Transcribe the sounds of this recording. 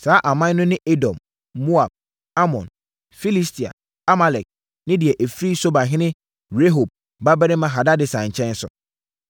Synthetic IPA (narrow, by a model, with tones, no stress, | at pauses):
saː˨˦ʔa˨mã˦n˦nʊ̃˦nɪ̃˦ʔe˦dɔ̰̃˨mː | o˦a˨b̚ | a˦mɔ̰̃˨n | fi˦li˦stʰi˨a̰˨ | a˦ma˨lɛ˨k̚ | nɪ̃˦dɪ˨ɛ˨ʔe˨fɾi˦so˦ba˨ɦɪ̃˦nɪ̃˦ | ɾe˦ɦo˨b̚ | ba˦bɛ˦ɾɪ̃˦mã˦ɦa˨da˦dɪ˨sa˨ɲ̩˨t͡ɕʰɛ̃˦n˦sʊ̰˨